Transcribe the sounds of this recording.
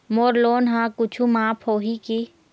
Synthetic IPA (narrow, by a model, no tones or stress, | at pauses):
moːɾloːnɦãːkʊt͡ʃʰumaːpʰhoːɦiki